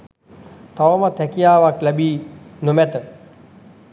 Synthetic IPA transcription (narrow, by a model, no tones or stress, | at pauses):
t̪ɐʋəmat̪ʰɛkijaːʋaklɛbiːnumɛt̪ə